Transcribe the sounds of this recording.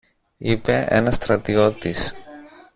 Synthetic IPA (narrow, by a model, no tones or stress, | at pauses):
ipe̞ʔe̞̰nɐst̪ɾɐt̪io̞t̪is